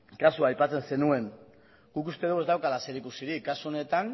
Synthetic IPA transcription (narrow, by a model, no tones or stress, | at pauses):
kasuajpat͡se̞nse̞nue̞ŋ | ɡ̥ukust̪e̞ðuwe̞zd̪awkalase̞ɾikusiɾikːasuo̞ne̞t̪an